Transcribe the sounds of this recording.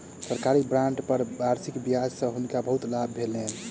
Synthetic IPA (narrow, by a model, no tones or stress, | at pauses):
səɾkaɾibɾãɳɖpəɾbaɾsikbikad͡ʒsə̃ɦunkabəɦut̪labːʱelen